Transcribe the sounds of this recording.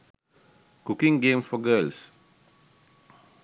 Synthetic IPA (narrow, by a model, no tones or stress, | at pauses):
kukɪ̃ŋɡẽmfɔɡəls